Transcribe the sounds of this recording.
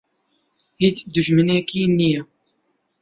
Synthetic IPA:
hit͡sd̪ʊʒmɨneːkiːnijɛ

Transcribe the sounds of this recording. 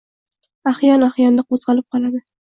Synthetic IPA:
aχjɒnaχjɒnd̪ɪqʰozʁɑlɪp̚qʰɒlad̪ɪ

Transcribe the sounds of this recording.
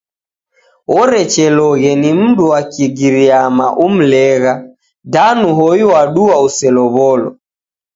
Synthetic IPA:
ɔɾɛt͡ʃɛlɔɣɛnim̩duwakiɡiɾiama̰ʔum̩lɛɣa | danuɦɔiwaɗuwausɛlɔβɔlɔ̰

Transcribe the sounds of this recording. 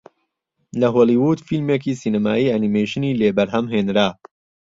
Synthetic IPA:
lɐɦoːlˠiwuːd̪filmeːkiːsiːnɐmaːiːʔanimejʃɨniːleːbɐɾɦɐmɦeːnɾaː

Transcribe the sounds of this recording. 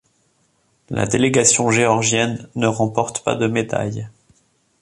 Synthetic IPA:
la̰d̪eleɡasjɔ̃ʒeɔʁʒjɛnːəʁɑ̃pɔʁt̪pa̰d̪əmed̪a̰j

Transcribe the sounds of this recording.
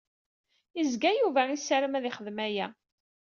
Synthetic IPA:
izɡæjuvæisæɾəmæðɪχəðmæjæ

